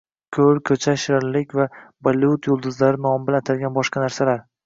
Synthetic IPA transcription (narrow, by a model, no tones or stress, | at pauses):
kʲʰɵɾkʲʰɵt͡ʃʰaʃɪɾɪɾlɪkʲvavalʊt̪ʰjolˠd̪ʊzlaɾɪnɒmbɪlanat̪ʰalʲɡʲanbɒʃqɑnaɾsalaɾ